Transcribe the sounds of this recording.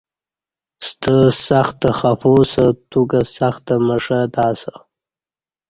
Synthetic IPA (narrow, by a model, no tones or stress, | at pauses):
st̪asaxt̪axafosat̪ukasaxt̪amaʂad̪ɑːsa